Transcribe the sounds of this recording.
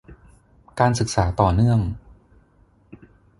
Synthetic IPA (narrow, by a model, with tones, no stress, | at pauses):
kaː˧nsɯ˨˩k̚saː˩˦t̪ɔː˨˩nɯ˥˩əŋ